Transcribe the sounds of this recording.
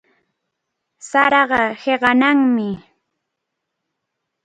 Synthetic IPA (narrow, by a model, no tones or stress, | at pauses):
saɾɑɢɑheɢɑnaŋmɪ